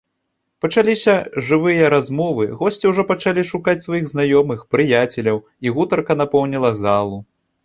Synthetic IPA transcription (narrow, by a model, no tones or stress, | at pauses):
pɐt͡ʂalʲisʲɐʐɨvɨjɐɾazmɔvɨɣɔsʲt͡sʲiwʐɔpɐt͡ʂalʲiʂukat͡sʲsvajiɣznajɔmɨxpɾɨjat͡sʲɛlʲɐw | iɣut̪ɐrkɐnapɔwnʲilˠɐzalˠu